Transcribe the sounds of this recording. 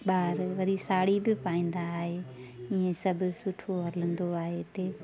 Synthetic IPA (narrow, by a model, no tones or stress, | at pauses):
ɓaːɾʋɐɾisaːɽibɪpaːĩːn̆d̪aːɦeːɪ̃ẽsɐbʱʊ̆sʊʈʰoɦɐlə̃nd̪oaːɦet̪eː